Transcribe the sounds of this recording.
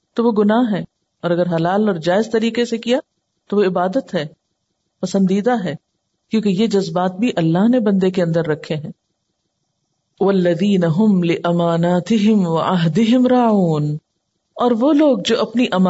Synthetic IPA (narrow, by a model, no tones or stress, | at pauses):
t̪oʋoɡʊnaːɦɦɛː | ɔːɾɐɡəɾɦɐlaːlɔːɾd͡ʒaːɪzt̪ɐɾiːqesekija | t̪oʋoɪbaːd̪ət̪ɦɛː | pɐsə̃nd̪iːd̪aɦɛː | kjõːkejed͡ʒɐzbaːt̪̚bʱiʔɐlːaɦnebɐ̃nd̪ekeɐ̃nd̪əɾːɐkʰːeɦɛ̃ː | wɐlːɐðiːnɐɦʊmlɪʔɐmaːnaːt̪ɪɦɪmwɐʔaɦd̪ɪɦɪmɾaːuːn | ɔːɾʋoːloːɡ̚d͡ʒoːʔɐpniʔɐma